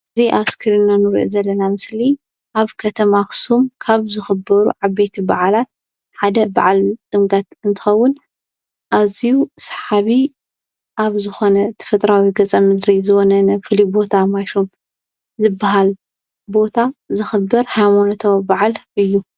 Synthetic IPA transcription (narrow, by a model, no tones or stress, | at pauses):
ɨzijʔaβskʰɨɾinːanɨɾʔo̰zɐlːɐnamɨsli | ʔaβkʰɐt̪ʰɐmaksumkʰaβzɨxɨbɐɾṵʕabet̪ʰibaʕlat̪̚ | ħad̪ɐba̰ʕalt̪ʼɨmɡat̪ɨnt̪ʰɨ̥xɐwːʊn | ʔazijusħaβi | ʔaβzɨxo̞nɐt̪ʰɨ̥fɨt̪ʼɾawiɡɐt͡sʼɐmɨd̪ɾizɨwonɐnɐfɨlibo̞t̪ʰamajʃom | zɨbːaɦal | bo̞t̪ʰazɨxɨbːɨɾhajmonot̪ʰobaʕalʔɨjːu